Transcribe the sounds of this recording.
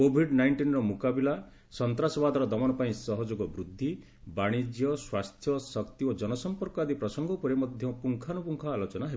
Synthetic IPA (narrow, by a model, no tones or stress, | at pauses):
kobʱiɖnajɳʈinɾɔmukabila | sɔnt̪ɾasɔbad̪ɔɾɔd̪ɔmɔnɔpaĩsɔɦɔd͡ʒoɡɔbɾud̪ʱːi | baɽ̃id͡ʒjɔswast̪ʰjɔsɔkt̪iod͡ʒɔnɔsɔmpɔɾkad̪ipɾɔsɔŋɡɔpuɾemɔd̪ʱjɔpuŋkʰanupuŋkʰɔalot͡ʃɔnaɦeb